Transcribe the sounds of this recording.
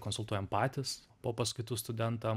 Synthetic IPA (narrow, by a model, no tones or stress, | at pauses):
koːnsʊlˠt̪uɔjɛmpɑːt̪ʲɪs | poːpɐskʊɪt̪uːst̪ʊd̪ʲɛnt̪ɑ